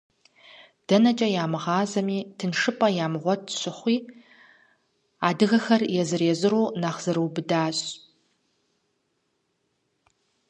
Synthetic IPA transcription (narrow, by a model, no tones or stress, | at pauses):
d̥ɐnɐt͡ʃʼɐjaːmɨʁɑːzɐmiːtʰɨnʂɨpʼɐjaːmʁʷɔt̚ʰɕʷɨχʷiː | aːdɨɣɐxɐrjɛzɨreːzɨɾuːnaχz̥ɨɾuːbɨdaːɕʼ